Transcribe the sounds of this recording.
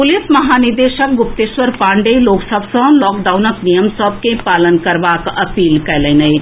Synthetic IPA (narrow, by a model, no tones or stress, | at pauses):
pʊlɪsmɐɦaːnɪɾd̪eːʃək̚ɡʊp̚t̪esʋəɾpãːɳɖeloːksəbʱsə̃lɔːk̚ɖaːʊnəknijəmsɔbʱkẽpaːlənkɐɾʋaːkɐpiːlkɛlenɐi